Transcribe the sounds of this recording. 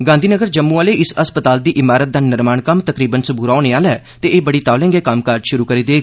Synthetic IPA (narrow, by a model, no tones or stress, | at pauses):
ɡãːnd̪ʱiːnəɡəɾd͡ʒəmːuːaːleːɪsəspət̪aːld̪iːʔɪmaːɾət̪̚d̪aːnɪɾmaːɳkəmt̪əkɾiːbənsʊbuːɾaːoːneːaːlɛːt̪eːeːbəɽiːt̪aːlɛ̃ːŋɡeːkəmkəɾd͡ʒʃʊɾuːkəɾiːd̪eː